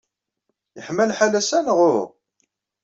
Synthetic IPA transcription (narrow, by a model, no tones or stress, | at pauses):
jəħməlħalæsænəʁʊʁ